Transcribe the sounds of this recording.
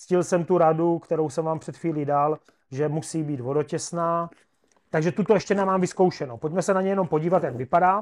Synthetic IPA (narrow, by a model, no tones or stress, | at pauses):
t͡scɪlsɛmt̪uɾadukt̪ɛɾowsɛmvaːmpr̥ɛt̪xfviːlidal | ʒɛmusiːbiːd̪vo̞do̞cɛsnaː | t̪aɡʒɛt̪ut̪oɛʃcɛnɛmaːmvɪskowʃɛnowpo̞cmɛsɛnaɲɛjɛno̞mpo̞ɟiːvat̪jaɡvɪpadaː